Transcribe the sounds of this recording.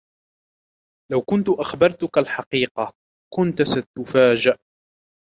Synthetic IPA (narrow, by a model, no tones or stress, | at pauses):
lawkʊnt̪ʊʔaxbɑɾˤt̪ʊkalħɑqiːqɑ | kʊnt̪sat̪ʊfaːd͡ʒɪʔ